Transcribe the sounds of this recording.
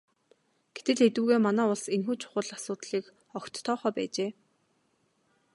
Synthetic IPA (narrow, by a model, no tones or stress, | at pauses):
ɡ̥et̪ɘ̆ɮet̪ŭɣeːmanæːʊɮsenxuːt͡ɕʰʊ̥χə̆ɮasʊːt̪ɮiːk | ɔkt̪ʰːɔːχœːpæ̰ːt͡ɕeː